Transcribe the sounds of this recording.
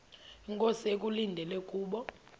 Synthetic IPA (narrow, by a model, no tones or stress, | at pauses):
iŋkʼosek̬ʼulindʱɛlɛkʼuːɓɔ